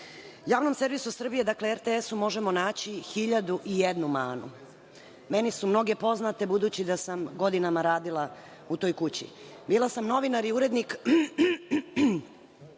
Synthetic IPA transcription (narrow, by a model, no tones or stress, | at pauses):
jaːʋno̞mse̞ɾʋisusr̩bije̞d̪akleeɾt̪eesumo̞ʒemo̞naːt͡ɕixiʎad̪uʔijed̪numaːnṵ | me̞nisumno̞ɡe̞po̞znat̪e̞bud̪ut͡ɕid̪asamɡo̞d̪inamaɾaːd̪ilˠa | ut̪o̞ːjkut͡ɕḭ | biːlˠasamno̞ʋinaɾiuɾe̞d̪nik